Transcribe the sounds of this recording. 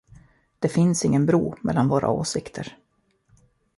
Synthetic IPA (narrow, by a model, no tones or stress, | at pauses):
d̪̥ɛfɪnsɪŋːənbɾuːmɛlːanvoːɾʔa̰oːsɪkt̪ʰəɾ